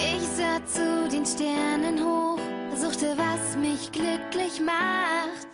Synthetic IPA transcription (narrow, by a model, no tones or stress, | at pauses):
ʔɪçz̥aːt͡sudeːnʃtɛɐnənɦoːfzuːxtəvasmɪçɡ̥lʏklɪçmaχt